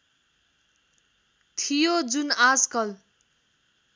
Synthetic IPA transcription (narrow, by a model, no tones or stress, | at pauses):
t̪ʰijod͡zunaskʌl